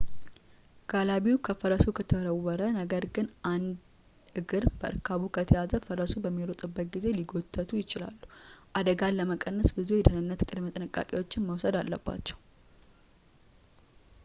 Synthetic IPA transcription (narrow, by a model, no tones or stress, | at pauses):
ɡ̥alaβiwukʰəfəɾəsukʰət̪ʰəɾəwːəɾənəɡəɾɡɨnʔand̪ | ɨɡɨɾb̥əʔɨ̰ɾkʰaβukʰət̪ʰəjazəfəɾəsubəmːiɾot̪ʼɨbːək̚ʼɡize̞liɡo̞t̪ʰʼːət̪ʰujɪt͡ʃɪla̰lːuʔad̪əɡaləməkʼənːəsbɨzujɛd̪ənɨnːət̪kʼɨd̪mət̪ʼɨnɨkʼa̰kʼewo̞t͡ʃːɪnməwsəd̪alːəbːa̰t͡ʃːɛw